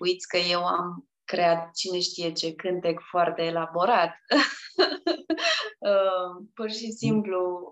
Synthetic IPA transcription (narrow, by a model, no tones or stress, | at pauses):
ujt̪sʲkəje̞wa̰m | kɾe̞at̪̚t͡ʃine̞ʃt̪ije̞t͡ʃe̞kɨnt̪e̞kfoart̪e̞ːlabo̞ɾat̪ | əpurʃisimplu